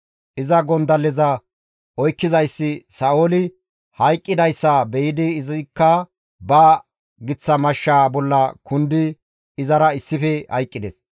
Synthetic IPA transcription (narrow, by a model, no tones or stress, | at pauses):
ʔɪzɐɡɔnd̪ɐlːɛzɐ | ʔɔjkːɪzɐjsːɪsɐʔoːlɪ | hɐjkʼːɪd̪ɐjsːɐbɛjɪd̪ɪːzɪkːɐ | bɐ | ɡɪt͡sːɐmɐʃːaːbɔlːɐkʰʊnd̪ɪ | ɪzɐɾɐɪsːɪfɛhɐ̰jkʼːɪd̪ɛs